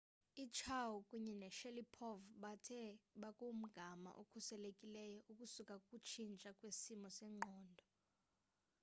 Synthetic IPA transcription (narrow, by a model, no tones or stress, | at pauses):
it͡ʃʰawukʼuɲɛnɛʃɛlipʰɔvɓatʰɛɓakʼum̩ɡ̥ʱama̰ʔokʰusɛlekʼilɛjɔʔukʼusukʼakʼut͡ʃʰint͡ʃʼakʼwesimɔsɛːŋ͡ǃʱɔːndʱɔ